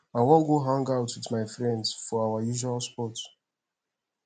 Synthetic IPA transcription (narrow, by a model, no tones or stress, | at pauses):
ãwɔlɡoɦãŋɡaʊtwɪðmaɪfɹɛ̃ndsfɔawajuʒualˠspɔt